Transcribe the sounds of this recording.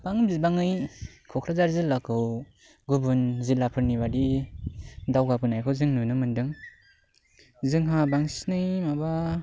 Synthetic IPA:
b̥aŋbzibaŋɯjkʰɔkʰɾazaɾzilːakʰɯw | ɡubunzilːapʰɯɾnibadi | dawɡapɯnajkʰɯwzɯŋnunɯmɯndɯŋ | zɯŋɦabaŋsi̥snɯjmaba

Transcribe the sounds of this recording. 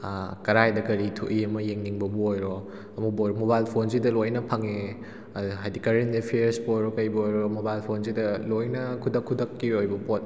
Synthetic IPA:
kɐɾajdɐkɐɾitʰṵʔiɐmɐjeŋniŋbɐbɐojɾɔ | ɐmuk̚bojɾɔmobajlpʰonsidɐlojnɐpʰaŋe | ɦajdikɐɾenepʰeɾsbojɾɔkɐjbɐojɾɔmobajlpʰons̬idɐlojnɐkʰudɐkʰːudɐkːiojbɐpot̚

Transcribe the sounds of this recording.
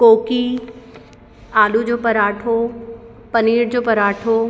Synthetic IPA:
koːki | aːlud͡ʑoːpɐɾaːʈʰo | pɐniːɽd͡ʑoːpɐɾaːʈʰo

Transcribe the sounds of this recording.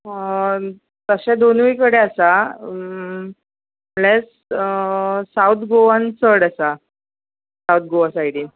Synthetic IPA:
t̪əɕad̪onʋikəɽeasa | les | awt̪ʰɡoʋãnt͡səɽəsa | sawt̪̚ɡoʋasajɽiː

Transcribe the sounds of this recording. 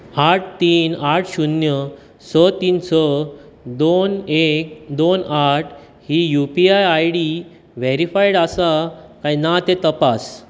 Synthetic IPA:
aʈʰt̪iːnaʈʰɕunjə | sət̪iːnt͡sə | d̪onek̚d̪onaʈʰ | hijupiajajɽi | ʋeɾifajɽasakãjnat̪et̪əpas

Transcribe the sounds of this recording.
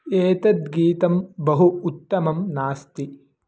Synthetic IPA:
eːt̪ɐt̪ɡiːt̪ɐmbɐɦuːt̪ːɐmɐmnaːst̪i

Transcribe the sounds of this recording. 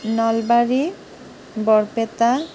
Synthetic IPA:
nɔlbaɾi | bɔɾpet̪a

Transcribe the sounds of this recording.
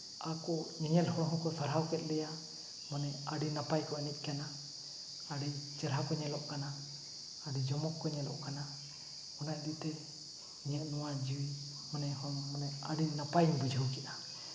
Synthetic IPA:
akɔɲɛɲɛlhɔɽ̃ɔɦɔ̃kɔsaɾɦawkɛt̪̚ˀlɛja | manɛaɖinapajkɔɛnɛt̪̚ˀkanaː | ɖit͡ʃəɾɦakɔɲɛlɔʔkanaː | ɖid͡ʒɔmɔkːɔɲɛlɔ̰ʔkana | ɔnaʔd̪iʔt̪ɛ | ɲɛʔnɔwad͡ʒiwi | manɛhɔmanɛaɖinapajɲbəd͡ʒʱəwkɛʔa

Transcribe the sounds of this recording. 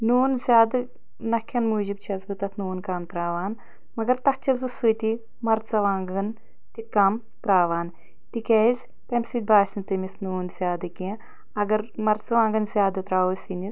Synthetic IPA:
nuːnzʲjaːd̪ɨ | nɐkʲʰːɐnmuːd͡ʒib̚t͡ʃʰɐzbɨt̪ɐt̪ʰnuːnkaːmt̪ɾaːʋaːn | mɐɡɐɾt̪ɐht͡ʃʰɐzbɨsɨt̪i | mɐɾt͡sɐʋaːŋɡɐn | t̪ikaːm | t̪ɾaːʋaːn | t̪ikʲɐizʲ | tɐmsid̪̚ʲbaːsʲint̪ɨmisnuːnz̥ʲjaːd̪ɐki | ɐɡɐɾmɐɾt͡sɐʋãːŋɡɐnzʲjaːd̪ɐt̪ɾaːʋɨsinis

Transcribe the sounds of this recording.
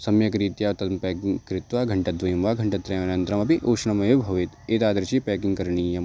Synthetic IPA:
sɐmjɐkɾiːt̪jaːt̪ɐmpɛːkkɾɪt̪ʋaːɡʱɐɳʈɐd̪ʋɐjimʋaːɡʱɐɳʈɐt̪ɾɐjmnɐnt̪ɾɐmɐpiʔoːʂɳɐmɐjobʱɐʋit̪eːt̪aːd̪ɐɾɐt͡ʃipɛːkiŋkɐɾɳiːjɐm

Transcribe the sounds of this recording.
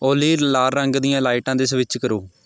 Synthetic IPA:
oːliːlaːɾɾəŋɡd̪ijãːlaːɪʈãːd̪ɪsʋɪt͡ʃkəɾoː

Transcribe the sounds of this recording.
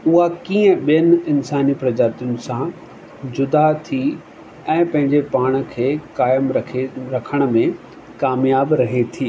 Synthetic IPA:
ʊɦakiːə̃ɓijənɪ̆ɪnsaːnipɾɐd͡ʑaːt̪jʊnɪ̆sã | d͡ʑʊd̪at̪ʰi | ɛ̃ːpɐ̃ɦɪ̃ɲd͡ʑepaːɽ̃̆kʰeːkaːjəmʰeɾɐkʰəɽ̃ə̆mẽ | kaːmjaːbɾɐɦet̪ʰiː

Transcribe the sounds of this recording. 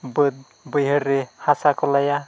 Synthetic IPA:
bəd̪̚ | bəjɦəɾːehasakʰɔlaja

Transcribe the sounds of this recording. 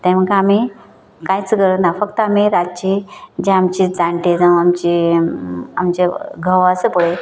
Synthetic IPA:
t̪ɛ̃m̤əɡami | kãjt͡sɡəɾət̪nafəkt̪əamiɾat͡ɕed͡ʑẽamt͡ɕid͡zaɳʈed͡zãwamt͡ɕi | a̰mt͡ɕeɡʱəʋasəpəɭe

